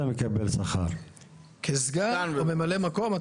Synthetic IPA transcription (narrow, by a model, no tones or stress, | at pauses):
amekabelsaχa̰ɾ | kʰezɡamemale̞mako̞ma